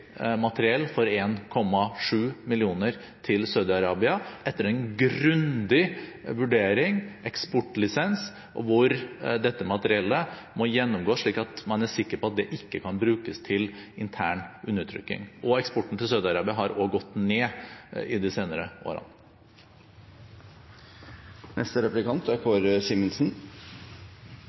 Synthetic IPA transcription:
mɑt̪əɾɪɛlːfɔɾeːnkʰɔmːɑʂʉːmɪlɪuːnəɾ | t̪ʰɪlsɑʉd̪ɪɑɾɑːbɪɑʔɛt̪ːəɾɛnɡɾʉnd̪ɪʋʉɖeːɾɪŋʔɛkspɔʈːlɪsɛns | ʔɔ̰ʋʊɾd̪ɛt̪ːəmɑt̪əɾɪɛlːə | mɔjɛnːʊmɡoːʂɭiːkɑt̪mɑnæɾsɪkːəɾpɔɑt̪̚d̪ɛʔɪkːəkʰɑnbɾʉːkəst̪ʰɪlɪnt̪ʰæːɳʉnːəɾt̪ʰɾʏ̰kːɪ̰ŋʔɔɛkspɔʈːn̩t̪ɪlsœːd̪əɑɾɑːbɪəɦɑɾʔoːɡɔt̪ːneːɪd̪ɪseːnəɾəʔo̰ːɾɑ̰n | nʔɛ̰st̪əɾɛplɪkʰɑnt̪æɾkʰɔɾsɪməlsn̩

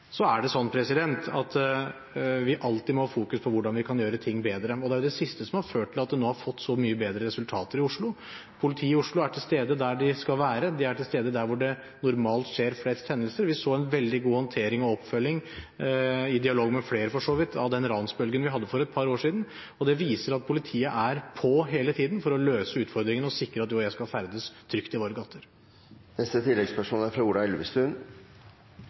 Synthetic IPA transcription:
sɔæɖɛsɔnːpʰɾɛsɪd̪ɛnt̪ɑt̪ | ʋɪʔɑlt̪ɪmɔhɑfuːkʉspʰɔʋʊɖɑnʋɪkʰɑnjøːɾət̪ʰɪŋːbeːd̪ɾəɔd̪ɛæjʊd̪ɛsɪst̪əsɔmhɑɾføːʈʈʰːɪlɑt̪̚d̪ɛnoːhɑɾfɔt̪ːsɔmyːəbeːd̪ɾəɾɛsʉlt̪ʰɑːt̪əɾɪʊʂɭʊ | pʰʊlɪt̪ʰiːɪʊʂɭʊæʈʰɪlst̪eːd̪əd̪æɖɪskɑlʋæːɾəd̪ɪæʈʰɪlst̪eːd̪əd̪æɾʋʊɖɛ | nʊɾmɑːlt̪ʂeːɾflɛst̪hɛnːəlsəɾʋɪsoːɛnʋɛld̪ɪɡuːhɔnt̪ʰeːɾɪŋɔɔpːfœlːɪŋ | ɪd̪ɪɑloːɡmɛfleːɾəfɔʂoːʋɪt̪ʰɑʋd̪ɛnɾɑnsbœlɡənʋɪhɑd̪ːəfɔɾɛt̪̚pʰɑɾoːʂiːd̪n̩ | ɔd̪ɛʋiːsəɾɑt̪̚pʰʊlɪt̪ʰiːəʔæɾpʰɔɦeːlət̪ʰiːd̪nfɔɾɔløːsəʉːt̪fɔɾd̪ɾɪŋənɔsɪkɾəɑt̪juːjæɪskɑlfæɾd̪əst̪ʰɾʏkt̪ɪʋoːɾəɡɑt̪ʰːəɾ | nɛst̪ət̪ʰɪlːɛɡspæʂuːnæɾfɾɑuːɾɑɛlʋə̰st̪ʉn

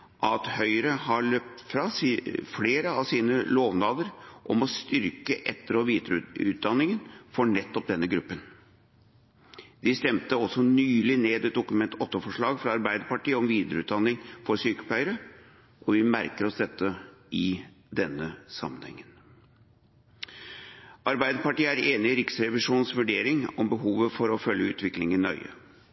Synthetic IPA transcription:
ʔɑt̪hœʏɾəhɑɭøːp̚t̪fɾɑːsfleːɾəɑʋsiːnəloːʋnɑːd̪əɾʔɔmɔst̪ʏɾkəʔɛt̪ːəɾɔʋiːd̪ɾʉ̰ːt̪̚d̪ɑnːɪŋənfɔɳɛt̪ːɔp̚d̪ɛnːəɡɾʉpːən | d̪̥ɪst̪ɛmt̪əɔsːɔnyːlɪneːd̪ɛt̪̚d̪ʊkʉmɛnt̪ʰɔt̪ːɔfɔʂɭɑːɡfɾɑɑɾbæɪd̪əɾpɑʈiːɔmʋiːd̪əɾəʉ̰ːt̪d̪ɑnːɪŋfɔɾsyːkə̥pʰæɪəɾə | ʔɔʋɪmæɾkəɾɔsd̪ɛt̪ːəɪ | d̪ɛnːəsɑ̰mːənhɛ̰ŋːən | ʔɑɾbæɪd̪əpɑʈiːəæɾeːnɪɪɾɪksɾɛʋɪʂuːnsʋʉɖeːɾɪŋɔmbəɦuːʋəfɔɾɔfœljəʉːt̪ʋɪklɪŋɪnœʏə̰

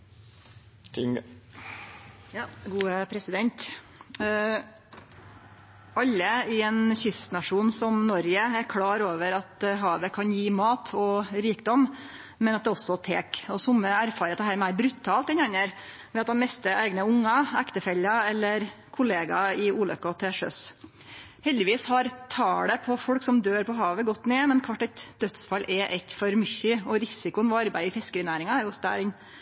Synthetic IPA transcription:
t̪ɪŋ | jɡuːəpʰɾɛsɪd̪ɛnt̪ | ɑlːəɪɛnçʏst̪nɑʂuːnsɔmnɔɾjəæɾkʰɽɑːɾoːʋəɾɑt̪ɦɑːʋəkʰɑnjiːmɑːt̪ʰɔɾiːkd̪ɔm | mɛnɑt̪d̪ɛːɔsɔt̪ʰeːkɔsʊmːəæɾfɑːɾət̪ɛhæɪmæɪɾbɾʉt̪ʰːɑːlt̪ɛnɑnəɾ | ʋɛɑt̪̚d̪ɑnmɛst̪əʔæ̰ɪɡnəʊŋːɑækt̪əfɛlːɑɛlːəɾ | kʰʊleːɡɑɪuːlœ̰kːɔt̪ʰɛʂœ̰s | hɛld̪ɪʋiːshɑɾt̪ʰɑːɽəpʰɔfɔɽksɔmd̪øːɾpɔɦɑːʋəɡɔt̪ːneːmɛnkʰʋɑʈːɛt̪d̪̥œt̪sfɑlːʔɛʔɛɪt̪fɔɾmʏçəɔɾɪsɪkʊənʋɔɑɾbæɪɪfɛskəɾɪnæːɾɪŋɑæɾjʊʊst̪æ̰ːɾɪn

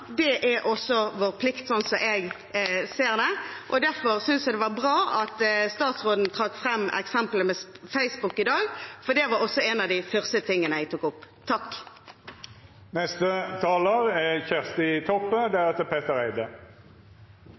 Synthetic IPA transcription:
d̪ɛʔæʔɔsːɔʋoːʁpʰlɪkt̪sɔnsɔʔɛɡ | seːʁd̪ɛʔɔd̪æʁfɔʁsʏnsjæd̪ɛʋɑbʁɑːʔɑt̪st̪ɑːt̪sʁoːd̪n̩t̪ʰʁɑkfʁɛmːɛ̰ksɛmpləmɛfæɪsbʊkːɪd̪ɑːɡfɔd̪ɛʋɑɾɔsːɔɛnɑd̪ɪfœʁst̪ət̪ʰɪŋːənəæɪɡt̪ʊkːʊpː | t̪ʰɑkː | nɛst̪ət̪ʰɑːləʁɛçæʁst̪ɪt̪ʰɔpːəd̪æʁɛt̪əpʰeːt̪əɾæɪd̪ə

